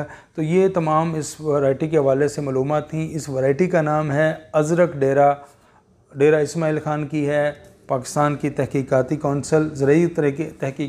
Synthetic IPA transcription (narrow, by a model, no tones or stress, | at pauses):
t̪oːjet̪ɐmaːmɪsʋɐɾaːɪʈikeɦɐʋaːlesemɐːluːmaːt̪ʰːĩʔɪsʋɐɾaːɪʈikanaːmɦɛɐzɾəkɖeːɾa | ɖeːɾaɪsmaːilxaːnkiɦɛ | paːkɪ̥st̪aːnkit̪ɛɦkiːkaːt̪ikɔːnsəlzɐɾəiʊt̪ɾeket̪ɛɦkiː